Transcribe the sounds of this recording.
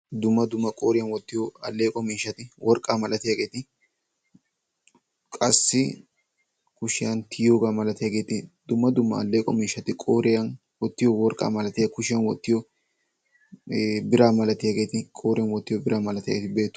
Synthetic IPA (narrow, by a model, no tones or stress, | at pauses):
d̪ʊmːɐd̪ʊmːɐkʼoːɾɪjɐnwɔt̪ːɪjɔɐlːe̞ːkʼɔmiːʃːɐt̪ɪwʔɔɾkʼːaːmɐlɐt̪ɪjaːɡe̞ːt̪ɪ | kʼɐsːɪ | kʊʃɪjɐnt̪ʰɪjoːɡaːmɐlɐt̪ɪjaːɡe̞ːt̪ɪd̪̥ʊmːɐd̪ʊmːɐ̰ɐ̰lːeːkʼɔmiːʃːɐt̪ɪkʼoːɾɪjɐn | wɔt̪ːɪjɔwɔɾkʼa̰ːmɐlɐt̪ɪjɐkʊʃɪjɐnwɔt̪ːɪjɔ | bɪɾaːmɐlɐt̪ɪjaːɡeːt̪ɪkʼoːɾɪjɐnwɔt̪ːɪjɔbɪɾaːmɐlɐt̪ɪja̰ɡeːt̪be̞ːt̪ːʊ̥